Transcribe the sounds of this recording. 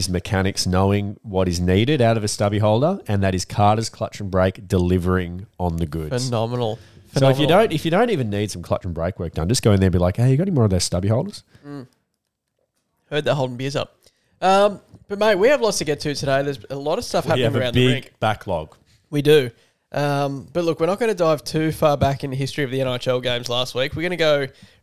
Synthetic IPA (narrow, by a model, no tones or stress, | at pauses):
zmɨkʰæñɨksnoʊɪ̃ŋwʌɾɨzniɾɨɾaʊɾʌvɨstʌbiɦɔʊlˠdə˞ɨ̃nðɨɾɨz̥kʰɑɹɾəz̥kʰl̥ʌt͡ʃɨ̃nbɹeɪk̚d̥ɨlɪvə˞ɪ̃ŋə̃nðɨɡʊdɨzn̥ɑmənl̩ˠfsoʊɪfjɨdõʊ̃ntɨfjɨdõʊ̃ntivɨ̃nːid̥sʌ̃m̩kʰl̥ʌ̰t͡ʃn̩bɹeɪkwɜ˞k̚d̥ʌ̃nd͡ʒʌsɡ̥oʊɨ̃nðə˞nbilaɪkheɪjɨɡɑɾɛnimɔɹʌvðəʊzstʌbiɦoʊlˠdə˞z̥̩ | hɜ˞d̪̚ðɨt̚ɦoʊlˠdɪ̃ŋ̩bizʌ̰p̚ | ʌ̃mb̥ʌt̚meɪwiɨvlɔtstʰɨɡɛtʰɨtʰɨdeɪðə˞zəlɔɾʌv̥stʌfhæpɪŋəvəaʊ̃nɪɪ̃ŋɡb̥ækʰlɔ̰ɡ̥ | widɨ | ʔʌ̃mb̥ʌtˡlʊkwɨə˞nət̚ɡ̥ʌnɨdɹaɪv̥tʰʉfɑɹbækɨ̃nðɨɦɪstɹ̥iʌvðiɛ̃ñaɪt͡ʃɛlˠɡẽɪ̃mzlæst̚wikwɨɹɡʌñɨɡoʊ